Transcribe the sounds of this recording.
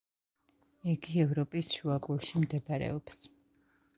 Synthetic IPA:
iɡiɛvɾɔpʼisʃuakʼuɾʃimd̪ɛbaɾɛ̰ɔps

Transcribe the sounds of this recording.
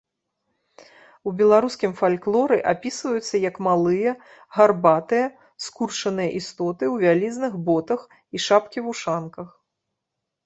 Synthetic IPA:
ubʲɛlˠaɾuskʲimfalʲklˠɔɾɨʔapʲisvɐjut̪sːɐjɐkmalˠɨjɐ | ɣarbat̪ɨjɐ | skurʂɐnɨjɐʔist̪ɔt̪ɨwvʲalʲiznɨxbɔt̪ɐx | iʂapkʲivuʂankɐx

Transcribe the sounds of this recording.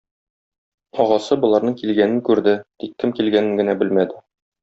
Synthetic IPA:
ɒʁɑsɤbŏlˠɑɾnɤɴkilɡænɘŋkʉɾd̪ɘt̪ik̚t̪ɘmkilɡænɘ̆ŋɡɘ̆næbɘlmæd̪ɘ

